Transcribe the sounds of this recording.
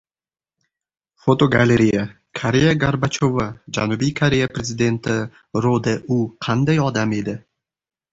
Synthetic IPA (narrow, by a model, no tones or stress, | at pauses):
fot̪o̞ɡalʲeɾʲija | kʰaɾejaɡaɾbat͡ʃʰovad͡ʒanʊbijkʰaɾʲe̞japɾe̞zɪd̪e̞nt̪ʰɪ | ɾod̪eʔʊqʰɑnd̪ajɒd̪ame̞d̪ɪ